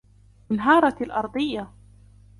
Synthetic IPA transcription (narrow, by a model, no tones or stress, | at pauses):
ɪnɦɑːɾˤɑlʔɑɾˤd̪ˤɨjːa